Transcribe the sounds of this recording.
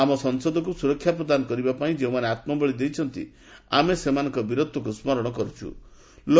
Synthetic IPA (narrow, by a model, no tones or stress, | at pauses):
amɔsɔŋsod̪ɔkusuɾɔkʰːjapɾɔd̪anɔkɔɾibapaĩd͡ʒeũmaneat̪mɔbɔɭid̪ejt͡ʃʰɔnt̪ḭ | a̰mesemanɔŋkɔbiɾot̪ːɔkusmɔɾɔɽ̃ɔkɔɾut͡ʃʰṵ | lo